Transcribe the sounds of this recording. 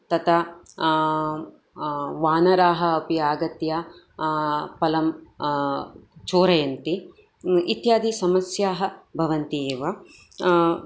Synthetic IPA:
t̪ɐt̪ɐ | ʋaːnɐɾaːɦɐ̆ːpiaːɡɐt̪jaː | pɐlɐm | t͡ʃoːɾɐjɐnt̪i | it̪jaːd̪isɐmɐsjaːɦɐ̆bʱɐʋɐnt̪ieːʋɐ

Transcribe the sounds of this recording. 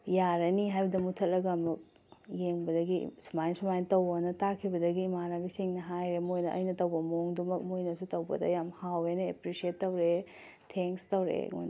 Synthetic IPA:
jaɾɐniɦajbɐdɐmutʰɐl̚lɐɡɐmɐk̚ | jeŋbɐdɐɡḭsumajnsumajntɐwonɐtakʰibɐdɐɡimanabisiŋnɐɦajɾemojnɐʔɐ̰jnɐtɐwbɐmoŋdumɐk̚mojnɐsutɐwbɐ̰dɐ̰jamhawenɐḛpɾisietːɐwɾe | tʰeŋkstɐwɾḛŋo̰jnɐ

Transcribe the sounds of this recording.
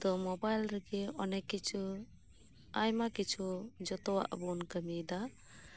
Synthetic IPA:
d̪ɔmɔbajlɾɛɡɛɔnɛkːit͡ʃʰu | ajmakit͡ʃʰud͡ʒɔt̪ɔwa̰ʔbɔnkəmid̪a

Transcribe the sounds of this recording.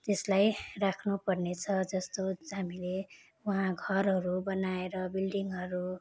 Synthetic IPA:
t̪eslajrakʰnupʌrnet͡sʰʌd͡zʌst̪oɦamile | uɦãɡʱʌrɦʌɾubʌnaeɾʌbilɖiŋɦʌɾu

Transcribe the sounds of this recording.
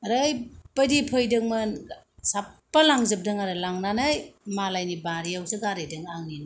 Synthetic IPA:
ɾɯjpɐdipʰɯjdɯŋmɯnsapːɐlaŋzɯp̚dɯŋaɾɯlaŋnanajmalajnibaɾiawsɯɡaɾɯjdɯŋaŋnin

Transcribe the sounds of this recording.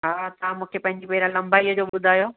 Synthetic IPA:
ɦaːt̪ɐʋãmũːkʰepɐ̃ɦɪ̃ɲd͡ʑipeːɾãlɐ̃mbaːiːəd͡ʑoːɓʊd̪ʱaːjoː

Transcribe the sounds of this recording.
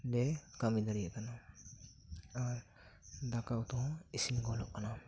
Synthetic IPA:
lɛkamid̪aɾijekana | a | d̪akawt̪ɔ̃isimɡɔlɔk̚ana

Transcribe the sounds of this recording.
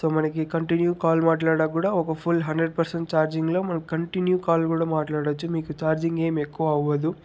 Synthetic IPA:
so̞ːmɐnɐkikɐɳʈinjukaːlmaːʈlaːɽaːkuːɽaːɔkɐpʰulɦɐɳɖɾeɖ̚pɐɾseɳʈ̚t͡ʃaːɾd͡ʒiŋɡlo̞ːmɐnɐkikɐɳʈinjukaːlkuːɽaːmaːʈlaːɽɐt͡ʃːumiːkut͡ʃaːɾd͡ʒiŋɡe̞ːmekːuʋɐːʋɐd̪u

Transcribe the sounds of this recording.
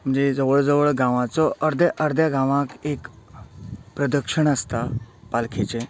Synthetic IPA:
m̤əɳd͡zed͡zəʋəɭd͡zəʋəɭɡãʋãt͡sɔʔəɾd̪ʱjaʔəɾd̪ʱjaɡãʋãkek | pɾəd̪əkʂəɳ̃əst̪apalkʰet͡ɕe

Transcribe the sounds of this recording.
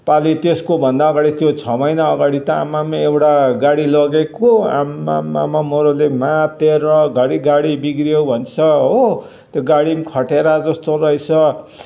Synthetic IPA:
palit̪eskobʱʌnd̪aʌɡaɽit̪jot͡sʰʌmʌjnaʌɡaɽit̪ʌamːamaewʈaɡaɽilʌɡekoa̰mːa̰mːa̰mamoɾolemat̪eɾʌɡʱʌɽiɡaɽibiɡɾibʱʌnt͡sʰʌɦo | t̪joɡaɽimkʰʌʈeɾad͡zʌst̪oɾʌjt͡sʰʌ

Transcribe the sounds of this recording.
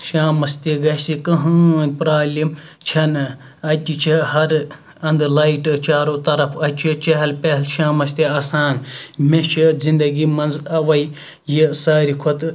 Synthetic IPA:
ʃaːmɐst̪iɡɐsikɐɦɐnʲpɾaːlim | t͡ʃʰɐn | ɐt̪ʲit͡ʃʰihɐɾ | ɐnd̪lɐiʈt͡ʃaːɾoːt̪ɐɾɐfʰɐt͡ʃʰit͡ʃɐɦɐlpeɦlʃaːmɐst̪iaːsaːnmeʃʰizĩnd̪ɐɡimɐnzɐʋɐj | jisaːɾikʰot̪

